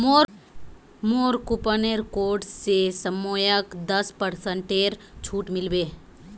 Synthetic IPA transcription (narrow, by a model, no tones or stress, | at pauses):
moː | moːɾkʊpəneɾkoːɾɖsesəmoːjəkd̪əspəɾsə̃ɳʈeːɾ | t͡ʃʰuːʈmɪlbeː